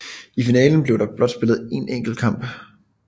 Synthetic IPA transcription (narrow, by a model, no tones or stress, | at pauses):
ifinɛːln̩b̥le̝ʊɾ̥ɑ̈b̥lɒ̽d̥sb̥e̝lð̩ˠe̝neŋ̰ɡ̥l̩̚kʰɑ̈m̰b̥